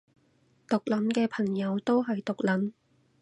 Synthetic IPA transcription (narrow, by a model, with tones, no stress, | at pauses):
t̪ʊ˨k̚lɐ˨˥mkɛː˧pʰɐ˨˩ŋjɐ˨˧wt̪o˥wɦɐ˨jt̪ʊ˨k̚lɐ˨˥m